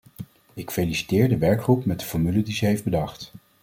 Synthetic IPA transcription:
ɪkfelisi̥tɪːɹdəʋɛɹkχrupmɛt̚dəfɔɹmylədizɛɦejfd̚bədɑχt

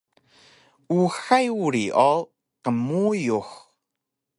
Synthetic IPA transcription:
uːxajwɾiʔɔlˠ | kəmuːjux

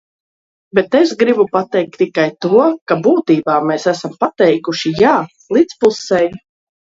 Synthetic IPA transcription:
bet̪esɡɾibupat̪ɛjk̚t̪ːikajt̪uɔkabuːt̪iːbaːmeːsæsampat̪ɛjkuʃijaː | lˠiːt̪spusɛj

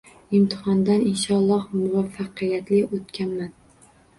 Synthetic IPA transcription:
ɪmt̪ʰɪ̥hɒnd̪anɪnʃɒlˠːɒhmʊvafːɑqɨjat̪lɪʔot̪kʲanman

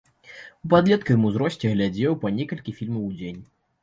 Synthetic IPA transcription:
upad̪lʲɛt̪kɐjmɨzɾɔsʲt͡sʲɛɣlʲad͡zʲɛwpɐnʲɛkɐlʲkʲifʲilʲmɐwd͡zʲenʲ

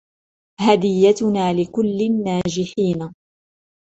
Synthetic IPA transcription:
had̪ɪjːat̪ʊnaːlɪkʊlːɪnːaːd͡ʒɪħiːna

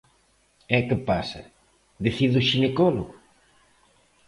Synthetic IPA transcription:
ɛkɪpasɐ̰ | ðeθiðʊʃinekɔloɣʊ

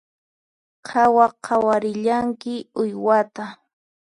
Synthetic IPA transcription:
qʰɑwaqʰɑwaɾɪʎaŋkɪʊjwat̪a

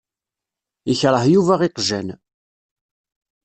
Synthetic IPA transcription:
əçɾˤəɦjuvæʁiqʒæn

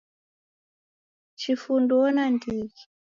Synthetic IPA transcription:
t͡ʃifundɔnandiki̥

